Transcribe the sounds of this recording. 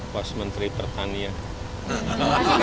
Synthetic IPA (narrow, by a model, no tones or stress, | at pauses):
pɔsmənt̪ɾipərt̪ania